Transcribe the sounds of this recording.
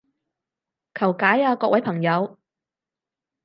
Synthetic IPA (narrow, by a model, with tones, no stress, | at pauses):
kʰɐ˨˩wkaː˨˥jaː˧kɔː˧k̚wɐ˨˥jpʰɐ˨˩ŋjɐ˨˧w